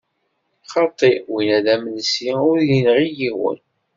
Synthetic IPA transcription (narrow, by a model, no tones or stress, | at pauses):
χɑt̪ˤːiwinæðæməlsiʊɾjinʁijiwə̰n